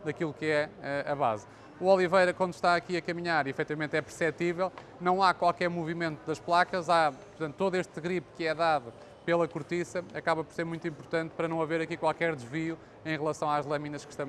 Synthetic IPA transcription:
d̪ɐkilˠukɛɛɐβa̰z | uɔlˠivɐjɾɐkwɐ̃nd̪u̥ʃt̪aɐkiɐkɐmiɲaɾifɛt̪ivɐmẽnt̪ɛpɨɾsɛt̪ivɛlˠ | nɐ̃w̃akwalˠkɛɾmuvimẽnt̪uðɐʃplˠakɐzapuɾt̪ɐ̃nt̪t̪ːoðueʃt̪ɣɾipkɨɛðaðu | pelˠɐkuɾt̪isɐɐkaβɐpɔɾseɾmũj̃t̪ĩmpuɾt̪ɐ̃nt̪̚pɐɾɐnɐ̃w̃ɐveɾɐkikwalˠkɛɾd̪ʒviu | ẽj̃ʁlˠɐsɐ̃w̃aʒlˠɐminɐʃkɨ̥ʃt̪ɐ̃

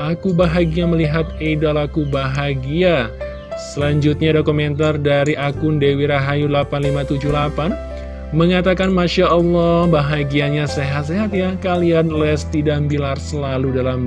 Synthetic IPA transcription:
ʔakubaɦaɡiaməliɦat̪̚edalakubaɦaɡia | səlaɲd͡ʒʊt̪̚ɲadokumɛnt̪ardaɾiʔakʊndewiɾaɦajulapanlimat̪ud͡ʒuhlapan | məŋat̪akanmaʃaʔɔlːɔhbaɦaɡiaɲaseɦat̪seɦat̪jakalianlɛst̪idambilarsəlaludalam

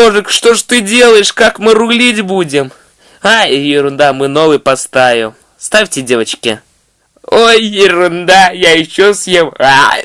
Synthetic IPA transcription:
oʐɨkʂt̪oʐt̪ɨdʲe̞lˠəjɪʂkakmɨrʊɡlʲitʲbudʲɪm | ajɪɾʊnd̪amɨno̞vɨjpɐst̪avʲɪm | st̪afʲtʲɪdʲe̞vət͡ɕkʲɪ̰ | ojːɪɾʊnd̪ajaɪɕːosjema

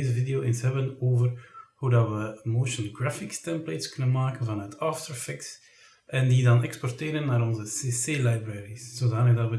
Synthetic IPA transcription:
ezəvideoːensɦɛbənoːvərhudɑtʋəmoːʃənɡrafɪkstɛmpleːtskɵnənmaːkənvɑnœtɑftəɹfɪks | ʔɛndidɑnɛkspɔrteːɾənːaːɾɔnzəseːseːlajbrɛːɾisz̥oːzaːnəkdɑtʋə

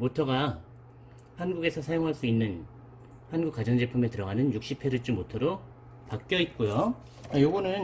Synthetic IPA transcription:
motʰʌɡa | hanɡuɡe̞sʰʌsʰajoŋɦaɭs͈uinːɯn | hanɡuk͈ad͡ʑʌŋd͡ʑe̞pʰumetɯɾʌɡanɯnjuk̚ɕ͈ipʰe̞ɾɯɭt͡ɕ͈umotʰʌɾo | pak͈jʌit̚k͈ojo | ajoɡʌnɯn

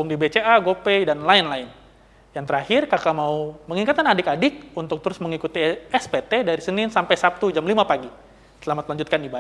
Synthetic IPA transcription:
buŋdibet͡ʃeaɡopedanlaɪnlaɪn | jaŋt̪əɾahɪrkakamauməŋiŋat̪anadɪkadɪk̚unt̪ʊk̚t̪əɾʊsməŋikut̪iɛspet̪edaɾisənɪnsampajsap̚t̪ud͡ʒamlimapaɡi | səlamat̪̚laɲd͡ʒut̪kaniba

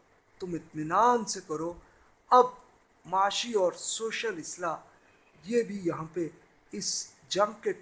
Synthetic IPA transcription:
t̪ʊmɪt̪mɪnaːnsekɐɾoː | ɐb̚ | maːʃiɔːɾsoːʃəlɪslaː | jebʱijɐɦãpe | ɪs | d͡ʒɐ̃ŋɡ̚ke

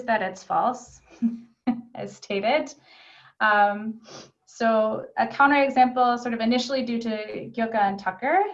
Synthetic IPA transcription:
zðɨɾɨtsfɔ̰lˠs | ɨ̰̥stʰeɪɾɪd̥ | ʔʌ̃m | soʊʔɨkʰãʊ̃ñə˞ɨɡzæ̃mpl̩ˠsɔɹɾʌvɨnɪʃl̩ˠidʉɾɨɡjʊkɨə̃ntʰʌkə˞

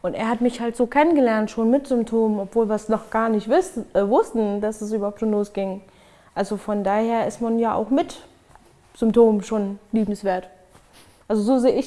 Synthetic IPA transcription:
ʔʊntḛːɐɦatmɪçhaltz̥oːkʰɛnənɡəlɛɐntʃoːnmɪtz̥ʏmptʰoːmənɔpv̥oːlviːɐsnɔχɡ̥aːɐnɪçtvɪɛvʊstn̩d̥asɛs̬ʔybɐhaʊp̚tʃoːnloːsɡ̥ɪŋ | ʔalzofɔndaːheːɐʔɪstmanjaːʔa̰ʊxmɪt | z̥ʏmptʰoːməʃoːnliːbm̩sv̥eːɐt | ʔalzozoːzeːʔɪç

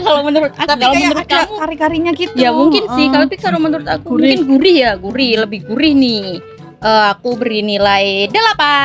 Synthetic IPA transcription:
kalomənuɾʊt̪̚aaalomənuɾʊt̪akaɾikaɾiɲakit̪jamuŋkɪnsɪhkalopikalomənuɾʊt̪akukɪnɡuɾɪhjaɡuɾɪhləbɪhɡuɾɪhnɪ | ʔəːakubəɾinilajdalapa

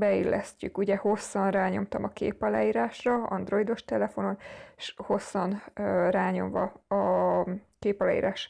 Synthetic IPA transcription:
bɛilːʔɛ̰scykuɟɛho̞sːɒnraːɲo̞mt̪ɒmɒkḛːpɒla̰ːiːɾaːʃrɒɒ̰nd̪ro̞id̪o̞ʃt̪ɛlɛfo̞no̞neʃho̞sːɒnraːɲo̞̰ɱvɒ̰ɒ | keːpɒlaːḭːɾaːʃ

